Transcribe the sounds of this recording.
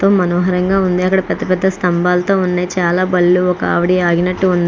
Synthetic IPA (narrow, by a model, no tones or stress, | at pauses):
t̪oːmɐnoːɦɐɾɐŋɡaːund̪iɐkːɐɽɐpɛd̪ːɐpɛd̪ːɐst̪ɐmbaːlɐt̪o̞ːunːeːt͡ʃaːlaːbɐlːuɔkɐa̰ːʋɐɽiaːɡinɐʈːuund̪i